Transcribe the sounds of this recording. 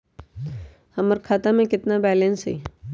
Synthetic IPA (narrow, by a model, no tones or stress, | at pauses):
hɐməɾkʰaːt̪amẽkɪt̪nabɛːlẽnsɦɛ̰ː